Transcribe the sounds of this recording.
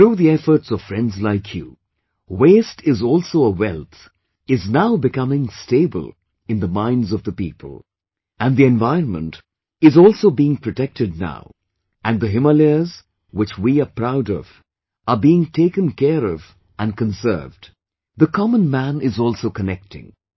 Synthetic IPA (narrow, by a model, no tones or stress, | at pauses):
θɾuːðiɛfə˞tsʌv̥fɹɛ̃ndzlaɪkʰjṵ | weɪstɪzɔlˠsoʊəwɛlˠt̪ | ɪznaʊbɨkʌmɪ̃ŋsteɪbə̰lˠ | ɨ̃nðəmãɪ̃ndzʌvðəpipʰə̰l̩ˠ | ɨ̃nðiɛ̃nvaɪə̃nmə̰̃nt | ɨzɔlˠsoʊbiɪ̃ŋpʰɹ̥ɨtɛk̚tɨd̚ⁿna̰ʊ | ɨ̃nðəɦɪməliz | wɪt͡ʃwiəpɹaʊdʌ̰v̥ | əbiɪ̃ŋtʰeɪkɨ̃nkʰɛɾʌv | ɨ̃nkə̃nsɜ̰˞vd | ðəkʰɑmə̃nmæ̃nɪzɔlˠsoʊkənɛk̚tɪ̰̃ŋ